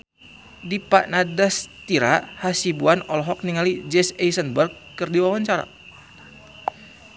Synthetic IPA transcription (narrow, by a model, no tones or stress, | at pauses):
dipaʔnadast̪iɾahasibuanɔlɦɔk̚niŋalid͡ʒɛsɛjsənbərɡ̚ːɨrdiwawaɲt͡ʃaɾa̰